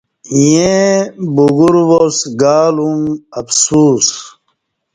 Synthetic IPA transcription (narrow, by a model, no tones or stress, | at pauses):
ijẽbuɡuɾwosɡaːluŋɐfsuːs